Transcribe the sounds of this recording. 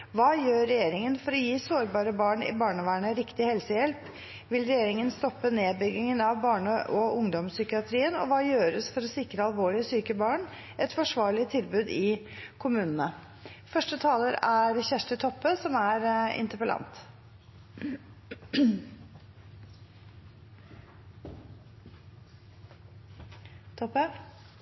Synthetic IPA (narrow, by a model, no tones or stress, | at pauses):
ʋɑːjøːɾːɛjeːɾɪŋənfɔɾɔjiːsoːɾbɑːɾəbɑːɳɪ̰bɑːɳəʋæːɳəɾɪkt̪ɪhɛlsəjɛlp | ʋɪlɾɛjeːɾɪŋənst̪ɔpːəneːbʏɡɪŋənɑʋbɑːɳəʔɔʊŋd̪ɔmsʏkɪɑt̪ʰɾiːənɔ̰ʋɑːjøːɾəsfɔɾɔsɪkɾəɑlʋoːɭɪəsyːkəbɑːɳ | ʔɛt̪fɔʂʋɑːɭɪət̪ʰɪlbʉːd̪ɪkʰʊmʉːnənə | fœʂʈət̪ʰɑːləɾæɾçæʂʈət̪ʰɔpːəsɔmæɾɪ̰nt̪əpəlɑ̰nt̪ | t̪ʰɔpːə